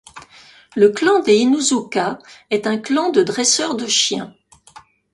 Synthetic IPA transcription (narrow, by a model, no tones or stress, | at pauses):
ləklɑ̃d̪einuzukaɛt̪ɛ̃klɑ̃d̪əd̪ʁɛsœʁd̪əʃjɛ̃